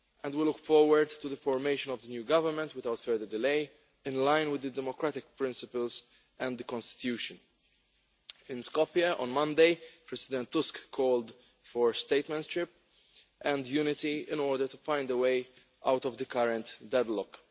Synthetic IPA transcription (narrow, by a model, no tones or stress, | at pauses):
ʔɛ̃nd̪wilʊkfɔɹwəɾd̪t̪uðəfɔɹmeɪʃə̃nɔvd̪ənjuːɡʌvəɾmɛ̃nt̪wɪθawt̪fɛðə˞d̪ɪleɪ | ɪ̃nlãɪ̃nwɪd̪ːəd̪ɛmɔkɾæt̪ɪk̚pɾɪ̃nsɪpəlz | ɛ̃nd̪ðəkɔ̃nst̪ɪ̥t̪juːʃɨ̃n | ɪ̃nskɔpiɐʔɔ̰̃nmʌ̃nd̪eɪpɹɛzɪd̪ɛ̃nt̪ːʊskʰːɔːld̪ | fɔɹst̪eɪt̪mɛ̃ntʃɪp | ʔɛ̃nd̪juːnɪt̪iɪ̰̃nɔːɹd̪əɾtufãɪ̃nd̪əweɪ | ʔawt̪ɔvd̪əkʌɾɛ̃nt̪d̪ɛd̪lɔk